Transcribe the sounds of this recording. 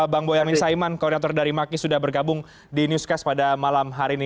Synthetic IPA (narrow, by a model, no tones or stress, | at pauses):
baŋbojamɪnsaimankɔrdinat̪ɔrdaɾimakisudahbərɡabʊŋ | dinjuskaspadamalamɦaɾini